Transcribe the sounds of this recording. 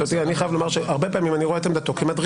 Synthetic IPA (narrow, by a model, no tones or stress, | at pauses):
ot̪ianiχajavlo̞maʁʃeaʁbe̞paːmimaniʁoet̪̬emd̪at̪okimad̪ʁ